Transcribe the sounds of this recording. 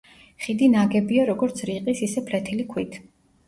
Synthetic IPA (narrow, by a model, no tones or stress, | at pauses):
χid̪inaɡɛbiaɾɔɡɔɾt̪sʰɾiqʼisisɛpʰlɛt̪ʰilikʰwit̪ʰ